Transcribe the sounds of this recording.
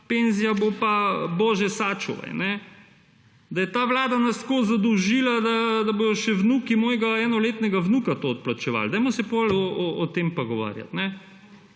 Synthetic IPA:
penzijabopabɔːʒɛsat͡ʃṵʋa̰jnɛ | d̪aɐjɛt̪aːʋlaːd̪anaskozad̪ɔwʒilad̪ad̪aboːjɔʃɛwnukimɔːjɡaɛːnɔleːt̪nɛɡaʋnukat̪oːt̪̚plat͡ʃɛʋa̰ːld̪ajmɔsɛpɔlɔɔɔt̪empoɡɔʋa̰ːɾja̰t̪nɛ

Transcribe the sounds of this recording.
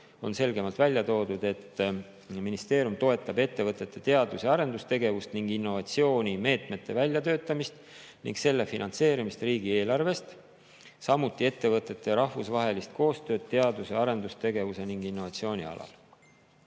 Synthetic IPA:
o̞nse̞lɡe̞mɑlt̪vælʲjɑt̪o̞ːd̪ud̪̥e̞t̪ː | minist̪e̞ːɾjumt̪o̞e̞t̪ːˑɑbe̞t̪ːe̞vɤt̪ˑːe̞t̪ːˑe̞t̪e̞ɑd̪useɑɾe̞nd̪ust̪e̞ɡe̞vust̪niŋɡ̥inːo̞vɑt̪sio̞ːnʲime̞ːt̪me̞t̪ːˑe̞vælʲjɑt̪ø̞ːt̪ˑːɑmist̪ | nḭŋɡ̥se̞lːe̞finɑ̰nt̪se̞ːɾimist̪riːɡ̥ie̞ːlɑrve̞st̪ | sɑmut̪ːˑie̞t̪ːe̞vɤt̪ːˑe̞t̪ːe̞ɾɑhvusvɑɦe̞list̪̚kʰo̞ːst̪ø̞ːd̪̚t̪ːe̞ɑd̪useɑɾe̞nd̪ust̪e̞ɡe̞vuse̞niŋɡ̥inːo̞vɑt̪sio̞ːnʲḭɑ̰lɑ̰l

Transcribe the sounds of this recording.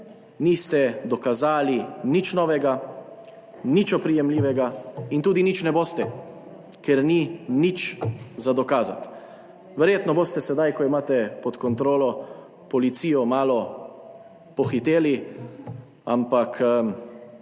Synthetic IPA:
nist̪ɛd̪ɔkazaːlinit͡ʃnɔːʋɛɡa | nit͡ʃɔpɾijɛmliːʋɛɡaint̪uːd̪init͡ʃnɛboːst̪ɛ | kɛɾninit͡ʃzad̪ɔkaːza̰t̪ | ʋɛɾjeːt̪nɔboːst̪ɛsɛd̪ajkɔimaːt̪ɛpɔt̪kɔnt̪ɾoːlɔ | pɔlit̪siːjɔmaːlɔ | pɔxit̪eːli | a̰mpakʰ

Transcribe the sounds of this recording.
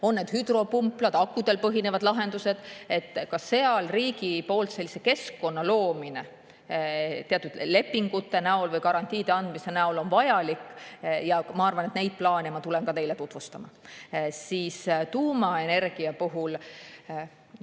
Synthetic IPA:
o̞nːed̪̥hyd̪̥ro̞pumplɑd̪̥ɑkːˑud̪̥e̞lpɤɦine̞vɑd̪̥lɑɦe̞nd̪use̞d̪̥e̞t̪ːkɑsːe̞ɑlriːɡ̥ipo̞ːlt̪se̞lʲːiseke̞skːo̞nːɑlo̞ːmine̞ | t̪eɑt̪ːud̪̥le̞pːˑiŋɡut̪ːe̞næolvɤjkɑɾɑnʲt̪ʲˑiːd̪̥e̞ɑnd̪mise̞næolo̞nvɑjɑlikːˑjɑmɑɑrvɑnet̪ne̞jd̪̥̚plɑːnemɑt̪ulenkɑt̪e̞jle̞t̪ut̪vust̪ɑmɑ̰siːst̪uːmɑe̞ne̞rɡ̥iɑpuɦul

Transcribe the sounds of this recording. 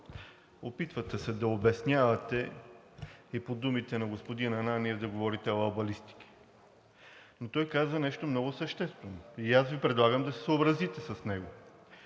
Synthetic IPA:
opit̪vɐt̪ɛsɛd̪ɐobɛsnʲjavɐt̪ɛ | ipod̪umit̪ɛnɐɡospod̪inɐnaniɛd̪ɐɡovɔɾit̪ɛoɐbɐlist̪i̥k̟i̥ | not̪ɔjkazvɐnɛʃt̪omnɔɡʊsɐʃt̪ɛst̪vɛnoiasvipɾɛd̪lˠaɡəmd̪ɐsɛ̥səobɾɐzit̪ɛsɐsnɛɡo

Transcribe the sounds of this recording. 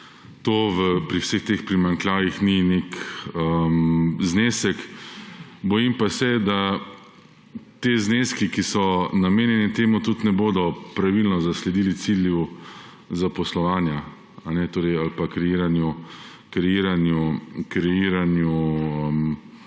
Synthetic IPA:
t̪oːʋəpɾiwsext̪expɾimaŋklaːjixninekəmzneːsɛk | bɔjimpasɛd̪a | t̪eːzneːskikisɔnameːnjɛnɛt̪eːmut̪ut̪nɛboːd̪ɔpɾaʋilnɔzaslɛd̪ilit̪silju | zapɔslɔʋaːnja | anɛt̪oːɾɛjalpakɾɛjiːɾanju | kɾɛjiːɾanjukɾɛjiːɾanjuəm

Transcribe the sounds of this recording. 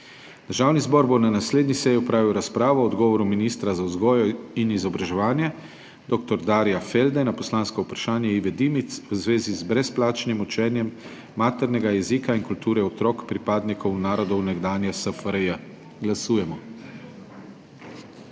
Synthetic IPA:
d̪̥əɾʒaːwnizbɔɾbonanasleːd̪nisɛjiɔpɾaːʋiwɾaspɾaːʋɔːd̪ɡɔːʋɔɾuminiːst̪ɾazawzɡɔːjɔinizɔbɾaʒɛʋaːnjɛ | d̪oːk̚t̪ɔɾd̪aːɾjafeld̪ɛnapɔslaːnskɔupɾḁʃaːnjɛiʋɛd̪imit̪swzʋeːzizbɾɛsplaːt͡ʃnimut͡ʃɛːnjɛmː | aːt̪ɛɾnɛɡajɛziːkainkult̪uːɾɛɔt̪ɾɔːkpɾipaːd̪nikʰɔwnaːɾɔd̪ɔwnɛɡd̪aːnjasəfɾjə | ɡlasuːjɛmɔ

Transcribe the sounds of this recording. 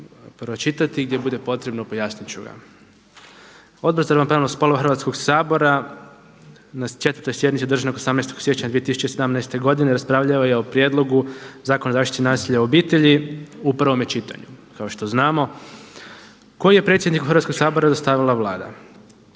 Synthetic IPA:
pɾot͡ʃit̪at̪iɡd̪jebud̪e̞po̞t̪ɾe̞bnopojaːsnit͡ʃuɡa̰ | o̞d̪bɾazaɾʋampɾalospo̞loaxɾʋat̪ko̞ɡsaːbo̞ɾa | nast͡ʃe̞t̪ʋəɾt̪ojsje̞d̪nit̪sed̪r̩ʒanokosamnɛjst̪o̞ɡsjet͡ɕaɲad̪iet̪isu̥t͡ɕesed̪amnɛjst̪e̞ɡo̞d̪ineɾaspɾaːʋʎaʋajeo̞pɾjeːd̪lˠo̞ɡuzaːkonazaːʃt̪i̥t̪inaːsiʎaobiːt̪e̞ʎiupɾʋo̞met͡ʃit̪a̰ɲṵkao̞ʃt̪o̞znaːmo̞ | ko̞jije̞pɾe̞t̪sʲjed̪nikuxɾrʋat̪ko̞ɡsaːbo̞ɾad̪ost̪aʋilˠaʋlˠaːd̪a̰

